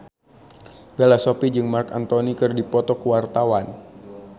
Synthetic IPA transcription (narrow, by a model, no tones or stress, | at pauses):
belasopid͡ʒɨŋmarkant̪onikɨrdipɔt̪ɔkuwart̪awan